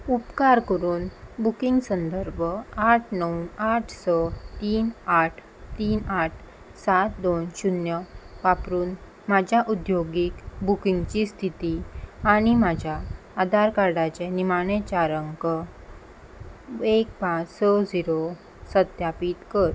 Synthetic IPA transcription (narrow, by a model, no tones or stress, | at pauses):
upkaɾkəɾuːnbukiŋɡsənd̪əɾbʱəaʈʰnəwnaʈʰsɔt̪iːnaʈʰ | t̪iːnaʈ̚ʰ | sat̪̚d̪onɕunjəʋapɾuːn | mad͡ʑʱjaʔud̪joɡikbukiŋɡt͡ɕist̪ʰit̪iaɽ̃imad͡ʑʱjaː | d̪ʱaɾkaɾɽat͡ɕɛnimaɽ̃et͡ɕaɾəŋkə | ek̚pãt͡ssɔd͡ziɾo | səd̪japit̪kəɾ